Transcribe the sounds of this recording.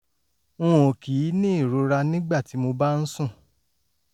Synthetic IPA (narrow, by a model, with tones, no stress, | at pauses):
ũ˦˨o˨ki˨˦nĩ˦i˦˨ɾo˧˦ɾa˧nĩ˦ɡ͡ba˦˨ti˨˦mo˧ba˦n̩˦sũ˦˨